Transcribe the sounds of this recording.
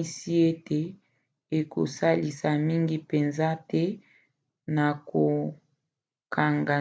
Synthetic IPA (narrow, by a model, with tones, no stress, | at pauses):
si˦e˦te˨ | e˨ko̰˨sa˦li˨sa˨mi˦ŋɡi˦pe˨nza˦tɛ˦ | na˨ko˨ | kʰa˨ŋɡa˨